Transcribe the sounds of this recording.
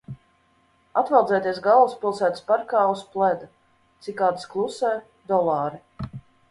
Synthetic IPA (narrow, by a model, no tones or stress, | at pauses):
at̪vɛlˠd̪zɛjt̪ʲiɛs̬ɡalˠuspilˠsæːt̪spaɾkaːusplˠɛd̪u | t̪sikːaːd̪sklˠusɛj | d̪ɔlˠɑːɾi